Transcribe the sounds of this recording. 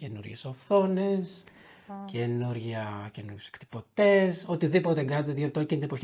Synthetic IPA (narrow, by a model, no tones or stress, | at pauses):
cenṵɾʝesoθo̞ne̞s | cenuɾʝɐcenuɾjuse̥kt̪i̥po̞t̪e̞sot̪iðipo̞t̪eŋɡɐzt̪et̪ðoit̪ocint̪inepoç